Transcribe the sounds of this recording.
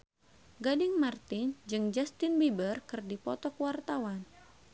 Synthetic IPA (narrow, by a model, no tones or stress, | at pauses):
ɡadɪŋmart̪ɪnd͡ʒɨŋd͡ʒast̪ɪnbibərkɨrdipɔt̪ɔkwart̪awan